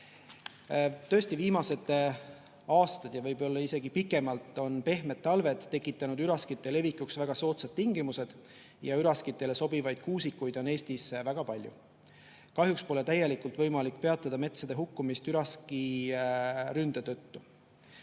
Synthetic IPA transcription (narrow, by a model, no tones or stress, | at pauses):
t̪ø̞est̪iviːmɑse̞t̪ː | ɑːst̪ɑd̪̥jɑvɤjbo̞lːɑise̞ɡ̥ipikːˑe̞mɑlt̪ˑːo̞npe̞hme̞t̪ːˑɑlve̞t̪ːe̞kːˑit̪ːˑɑnud̪yɾɑskit̪ːˑe̞le̞vikːˑuksvæɡ̥ɑso̞ːt̪sɑd̪̥̚t̪ːiŋɡimuse̞d̪̥ | jɑyɾɑskit̪ːˑe̞le̞so̞bivɑjd̪̥̚kuːsikːˑujd̪̥o̞ne̞ːst̪isvæɡ̥ɑpɑlʲjṵ | kɑɦjukspo̞le̞t̪æje̞likˑult̪vɤjmɑlikːˑpe̞ɑt̪ːˑɑd̪̥ɑme̞t̪sɑd̪̥e̞ɦukːumist̪yɾɑski | ɾynd̪̥et̪øt̪ːu